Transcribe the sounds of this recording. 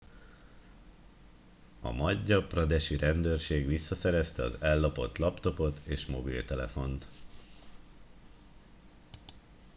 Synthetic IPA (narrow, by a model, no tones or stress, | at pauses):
ɒ̰mɒɟːɒprɒd̪ɛʃiɾɛnd̪øːrʃeːɡʋisːɒsɛɾɛst̪ɛɒ̰zɛlːɒpo̞t̪lɒpt̪o̞po̞t̪eːʃmo̞bḭlt̪ɛlɛfo̞nt̪